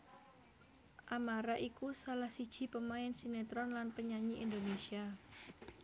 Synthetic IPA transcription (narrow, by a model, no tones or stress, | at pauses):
ʔamaɾaʔikusalahsid̥ʒ̥i̤pəmaɪnsinet̪ɾɔnlanpəɲaɲiʔind̪onesia